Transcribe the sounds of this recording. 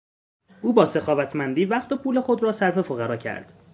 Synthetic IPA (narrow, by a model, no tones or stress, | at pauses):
ʔuːbɒːse̞xɒːvæt̪ʰmænd̪iːvæχt̪opʰuːle̞xo̞d̪ɾɒːsæɾfe̞fo̞ɣæɾɒːcʰæ̰ɾd̪̥